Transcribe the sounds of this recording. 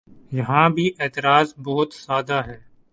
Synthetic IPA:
jɐɦãbʱiʔeːt̪ɪɾaːzbɔːʊt̪saːd̪aːɦɛː

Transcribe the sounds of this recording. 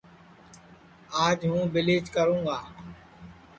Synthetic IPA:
aːd͡ʒɦũːbɪleːd͡ʒkəɾũːɡaː

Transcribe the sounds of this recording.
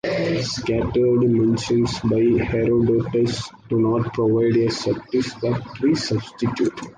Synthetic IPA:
skæʈəɾɖmẽnʃə̃nsbaɪheɾoɖoːʈəsɖunɔːʈpɾoʋaɪɖesəp̚ʈɪsɔʋt̪ʰɾiːsʌbsʈiʈjuːʈ

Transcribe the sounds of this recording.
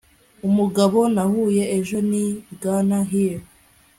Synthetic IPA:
umuɡaβo̞nahuːje̞eʒo̞niɡaːnaɦiɾ

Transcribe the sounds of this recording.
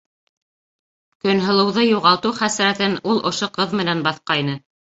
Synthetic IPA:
kɵ̆nɦɤ̆lˠɤ̆wðɤjuʁɑlˠt̪uwχæsɾæt̪ɘnulˠŏʃoqɤðmɘ̆nænbɑθqɑjnɤ

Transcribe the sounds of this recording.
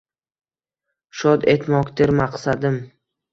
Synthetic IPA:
ʃɒd̪e̞t̪mɒkʲd̪eɾmaqsad̪ɪm

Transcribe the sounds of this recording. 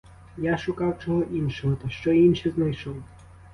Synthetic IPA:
jaʃʊkɑwt͡ʃɔɦɔʔinʃɔɦɔt̪ɐʃt͡ʃɔinʃiznajʃɔw

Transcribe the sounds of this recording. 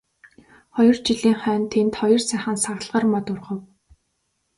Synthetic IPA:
χɔjɞ̆rt͡ɕiɮiːŋχœːnt̪ʰent̪χɔjɞ̆rsæχə̆nsaɣ̆ɮʁə̆rmɔt̪ʊrʁɞ̆w

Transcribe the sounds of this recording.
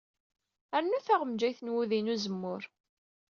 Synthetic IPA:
æɾnːuθaʁəmd͡ʒæjθənwuðinuzəmːʊɾ

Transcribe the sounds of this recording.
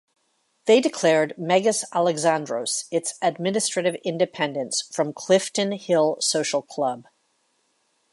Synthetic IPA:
ðeɪdɨkʰl̥ɛɹd̚mɛɡɨsælˠɨɡzæ̃ndɹoʊsɨtsɨd̚mɪ̃nɨstɹ̥ɨɾɨvɪ̃ndɨpʰɛ̃ndɨ̃nsfɹʌ̃mkʰl̥ɪftɨ̃nhɪlˠsoʊʃl̩ˠkʰl̥ʌb̥̚

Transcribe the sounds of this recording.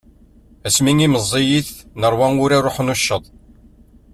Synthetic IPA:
æsmiŋiməzˤːijiθnəɾˤwænʊɾaɾˤoħnuʃːəðˤ

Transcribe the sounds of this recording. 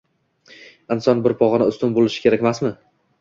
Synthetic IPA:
ɪnsɒnbɪɾpʰɒʁɨnɪʊst̪ʊnbolˠɪʃɪ̥kʲʰe̞ɾakʲmasmɪ

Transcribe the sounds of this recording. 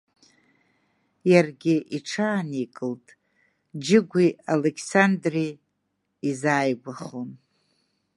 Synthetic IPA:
jarɡʲɪʔiʈ͡ʂʰaːnikʼɨltʼ | d͡ʒɪɡʷialekʰsandri | izaːjɡʷaχon

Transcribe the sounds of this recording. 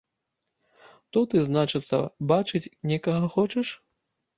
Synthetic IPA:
t̪ɔt̪ɨznat͡ʂɨt̪sːɐ̰bat͡ʂɨt͡sʲnʲɛkɐɣɐxɔt͡ʂɛʂ

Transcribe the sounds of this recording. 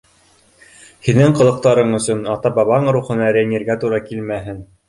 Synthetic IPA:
hinɘɴqɤ̆lˠɤ̆q̚t̪ɑɾɤɴɵ̆sɵnɑt̪ɑbɑβɑɴɾuχɤ̆nɑɾæjnʲeɾɡæt̪uɾɑkilmæɦɘn

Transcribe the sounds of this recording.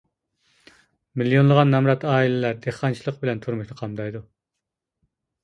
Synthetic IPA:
milijonlˠəʁɑnːɛmɾɑt̪ɑːilɪlæɾd̪eχɑnt͡ʃʰilˠəq̚bɪlɛnt̪ʰuɾmukʲnɨqʰɑmd̪ɑjd̪u

